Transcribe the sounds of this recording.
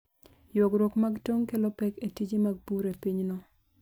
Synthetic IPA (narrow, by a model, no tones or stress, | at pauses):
joɡɾokmaɡtoŋkelopɛketid͡ʒimaɡ̚buɾepiɲnɔ